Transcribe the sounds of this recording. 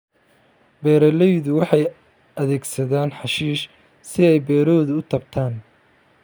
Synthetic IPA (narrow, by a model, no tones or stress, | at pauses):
bɛːɾɐlɛjðʊwɑħɑj | ɐðɛːɡsɐðaːnħɑʃiːʃ | sɪɛjbɛːɾɔːðʊʊt̪ʰɐb̚t̪ʰaːn